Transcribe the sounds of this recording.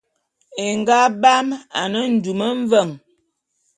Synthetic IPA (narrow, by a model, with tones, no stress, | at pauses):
e˨ŋɡa˦ba˦ma̰˨nə˦n̩˨du˨mə˦ɱ˦və˦˨ŋ